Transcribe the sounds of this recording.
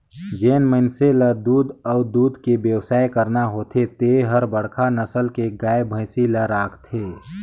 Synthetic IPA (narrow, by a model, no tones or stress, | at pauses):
d͡ʒeːnməɪnseləd̪uːd̪ɔːd̪uːd̪ʱkebjəwsaːekəɾnaɦoːt̪ʰet̪eɦəɾbəɽ̤kʰanəsəlkeɡaːebʱə̃ɪsiləɾaːkʰt̪ʰeː